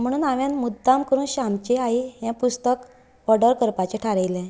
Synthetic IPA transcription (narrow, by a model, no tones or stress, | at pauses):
m̤əɽ̃uːnaʋjãnmud̪ːamkəɾuːnɕamt͡ɕeaijãpust̪ək | ɔɾɖəɾkəɾpat͡ɕeʈʰaɾejlɛ̃